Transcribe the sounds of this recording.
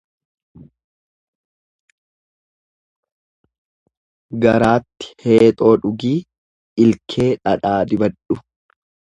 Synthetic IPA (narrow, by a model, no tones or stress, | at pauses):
ɡɐɾaːt̪ːɪ̥he̞ːt̪ʼo̞ːᶑʊɡiː | ɪlkʰe̞ːᶑɐᶑaːd̪ɪbɐᶑʊ